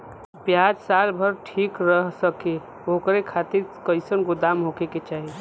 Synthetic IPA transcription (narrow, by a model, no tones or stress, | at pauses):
pjad͡ʒsalbʱəɾʈʰikɾəɦsəke | okɾekʰat̪iɾkəɪsənɡod̪amɦokeket͡ʃaːɦi